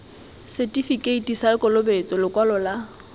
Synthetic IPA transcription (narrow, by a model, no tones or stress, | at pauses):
sɛtʼifikʼeitʼisalɪkʼɔlʊbet͡sʼɔlɪkʼwalɔla